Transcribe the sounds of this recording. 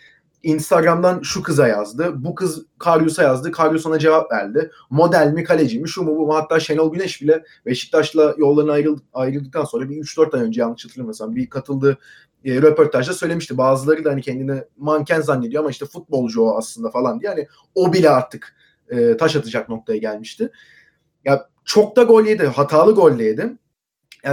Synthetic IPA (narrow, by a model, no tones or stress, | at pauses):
inst̪ʰaɡɾamd̪anʃukʰɯzajazd̪ɯbukʰɯzkʰaɾjosajazd̪ɯkʰaɾjosunad͡ʒe̞vapvæ̰ɾd̪ɪ | mo̞d̪ælʲmikʰalʲe̞d͡ʒimiʃumubumhat̪ʰːaːʃe̞nolˠɟynɛʃbilʲɛ | veʃi̥t̪̚d̪aʃlˠajo̞lˠːaɾɯnajɾɯajɾɯlˠd̪ɯk̚t̪anso̞nɾabiyt͡ʃd̪ø̞ɾt̪ajø̞nd͡ʒɛjanːɯʃʰat̪ɯɯɾmaseabikʰat̪ʰɯlˠd̪ɯ | ɾe̞po̞ɾt̪ʰaʒd̪asøjle̞miʃt̪ʰibaːzɯlˠaɾɯd̪aɦanicʰɛnd̪inɛmancʰænzanːed̪ijo̞amaiʃt̪ʰɛfut̪̚bo̞lˠd͡ʒoaslˠɯnd̪afalˠand̪ijɛanɪ | obilʲɛaɾt̪ʰɯk | ɯːt̪ʰaʃat̪ʰɯd͡ʒak̚no̞k̚t̪ʰajaɟælʲmiʃt̪ʰɪ | ja | t͡ʃʰo̞k̚d̪aɡo̞lʲed̪ɪɦat̪ʰaːlˠɯɡo̞lʲd̪ejd̪ɪ | ja